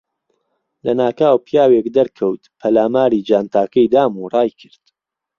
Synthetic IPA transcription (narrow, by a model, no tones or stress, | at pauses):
lɐnaːkaːwpʰjaːwekd̪ɐɾkʰɐwt̪pʰɐlaːmaːɾiːd͡ʒaːnt̪ʰaːkʰɐjd̪aːmurˤɑːjkʰɨɾd̪̥